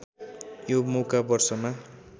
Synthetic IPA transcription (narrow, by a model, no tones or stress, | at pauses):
jomokabʌrsʌma